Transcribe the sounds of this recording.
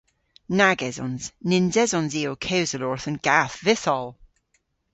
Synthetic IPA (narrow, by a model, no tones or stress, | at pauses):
naɡɛzɔ̰̃nz̥nɪ̃nzɛzɔ̃nziokʰewzəlɔɹθə̃nɡ̥aθðɪsɔlˠ